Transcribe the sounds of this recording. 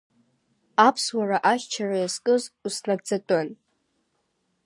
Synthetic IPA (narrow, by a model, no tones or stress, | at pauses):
apʰswaraʔaʃt͡ʃʰarajaskʼɨzusnaɡ̚d͡zatʼɨn